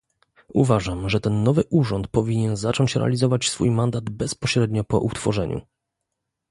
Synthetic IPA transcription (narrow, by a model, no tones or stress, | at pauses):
ṵvaʐamʐɛt̪ɛnːɔvɘʔuʐɔnt̪pɔvʲiɲɛnzat͡ʂɔɲt͡ɕɾʔɛ̰a̰lʲizɔvat͡ɕsfujmand̪ad̪bɛspɔɕɾɛd̪ɲɔpɔ̰ʔut̪fɔʐɛɲʔṵ